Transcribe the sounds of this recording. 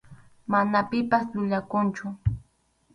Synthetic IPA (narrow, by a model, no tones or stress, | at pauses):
manapɪpasʎʊʎakʊnt͡ʃʊ